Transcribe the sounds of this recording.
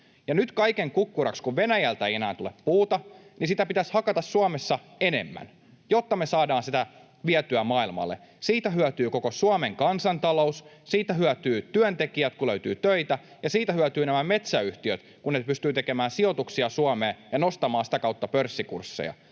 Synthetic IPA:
jɑnyt̪kɑikeŋkukːurɑ̰kskuʋʋenæjælt̪æejenæːnt̪ulepːuːt̪ɑnisit̪æpit̪æshɑkɑt̪ɑsːuɑmesːɑ | enḛmːæ̰n | jot̪ːɑmesɑːdɑːnsit̪æ | ʋiæt̪yæmɑːilmɑ̰lːḛ | siːt̪æɦyæt̪yːkokosuɑmeŋkɑnsɑnt̪ɑloussiːt̪æɦyæt̪yːt̪yønt̪ekiæt̪kuløyt̪y̰ːt̪øit̪æ | jɑsiːt̪æhyæt̪yːnæmæme̞t̪sæyht̪iøt̪ | kunːepyst̪yːt̪ekemæːnsio̞t̪uksiɑsuɑmeːjɑnost̪ɑmɑːnsi̥t̪ækɑut̪ːɑpørsːikṵrsːḛjɑ̰

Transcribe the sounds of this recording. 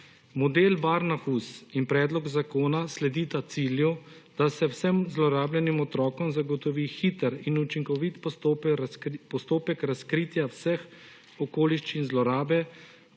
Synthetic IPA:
mɔd̪eːlbaɾnaxusinpɾɛːd̪lɔɡzakoːnaslɛd̪iːt̪at̪siːlju | d̪̥asɛwsɛmzlɔɾaːbljɛnimɔt̪ɾɔːkɔmzaɡɔt̪ɔʋiːxit̪əɾinut͡ʃiŋkɔʋit̪pɔt̪ | pɔst̪oːpɛkɾaskɾiːt̪jawsɛx | ɔkoːliʃt͡ʃinzlɔɾaːbɛ

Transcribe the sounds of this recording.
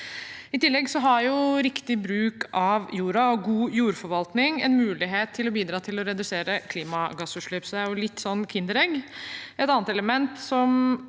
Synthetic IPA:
ɪt̪ɪlːɛɡsɔɦɑɾjʊɾɪkt̪ɪbɾʉːkʰɑʋjuːɾɑɔɡuːjuːɾfɔɾʋɑlt̪nɪŋɛ̰nmʉːlɪɦeːt̪ʰːɪlɔbiːd̪ɾɑːt̪ʰɪlɔɾɛd̪ʉseːɾəkʰliːmɑɡɑsʉːʂɭyːpsɔd̪ɛæɾjʊlɪt̪ːsɔnːkʰɪnd̪əɾɛɡɛt̪ɑːnət̪ɛləmɛnt̪sɔm

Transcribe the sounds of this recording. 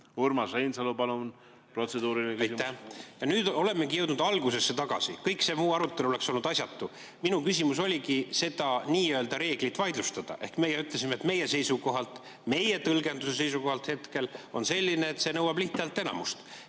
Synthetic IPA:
urmɑsejnsɑlupɑlun | pro̞t̪sed̪uːɾilinekejsiæjɑnyːd̪o̞le̞mːekɡijɤwd̪nud̪ɑlɡ̥use̞sːe̞t̪ɑɡ̥ɑ̰sḭkɤjkse̞muːɑɾut̪ːˑe̞luole̞kso̞lnud̪ɑs̬ʲɑt̪ːu | minukys̬ʲimuso̞lʲikise̞d̪ɑniːøeld̪ɑɾe̞ːɡ̥lit̪ːˑvɑjd̪lust̪ɑd̪̥ɑ̰ʔe̞̰hkme̞jeyt̪les̬imet̪me̞jese̞jsuko̞ɦɑlt̪ | me̞jet̪ɤlɡe̞nd̪use̞s̬e̞js̬uko̞hɑlt̪he̞t̪ke̞lonse̞lʲːineːt̪se̞nɤwɑb̥liht̪eɑlt̪ːˑe̞nɑ̰must̪

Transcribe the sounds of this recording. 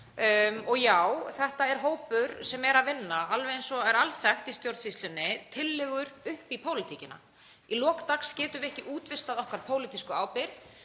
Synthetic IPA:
ɔɣjawθɛht̪aɛɾ̥ɦoːwpʏɾsɛmɛɾaðvɪnːaalvɛðɪnsɔɛɾalθaxt̪ist̪jowɾt̪sislʏnːɪt̪ʰɪlːɪɣʏɾʏhpipʰoːwlɪt̪ʰicɪna̰ | ilɔːkt̪akscɛːt̪ʏɪɛhcɪʔuːt̪vɪst̪aðɔhkvaɾpʰoːwlɪt̪iskʏaːwpɪɾθ

